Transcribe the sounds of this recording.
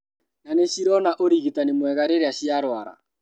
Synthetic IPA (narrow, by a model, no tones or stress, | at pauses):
naneɕiɾɔnaʔoɾiɣitanemwɛɣaɾeɾeaɕjaɾwaɾa̰